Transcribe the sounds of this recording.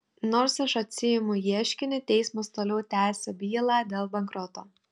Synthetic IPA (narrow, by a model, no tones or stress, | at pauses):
noːɾsɐʃɐt̪ʲsʲɪjɪmʊjiɛʃʲkʲɪnʲɪt̪ʲɛɪsmɐst̪oːlʲɛʊt̪ʲæːsʲoːbʲiːlˠɑːd̪ʲeːlˠbɐŋkɾɔt̪oː